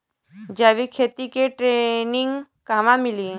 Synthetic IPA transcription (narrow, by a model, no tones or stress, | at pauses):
d͡ʒaːʋikʰeːt̪ikeʈɾeːnɪ̃ŋɡ | kamamɪlie